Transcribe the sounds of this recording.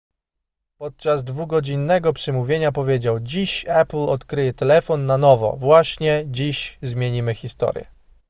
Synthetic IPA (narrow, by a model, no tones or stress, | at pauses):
pɔt̪̚t͡ʂazd̪vuɡɔd͡ʑinːɛɡɔpʂɘmuvʲjeɲapɔvʲjed͡ʑawd͡ʑiɕaplɔt̪kɾɘjɛt̪ɛlɛfɔnːanɔvɔ̰vwaɕɲɛd͡ʑiɕzmʲjeɲimɘxʲist̪ɔ̰ɾjɛ̰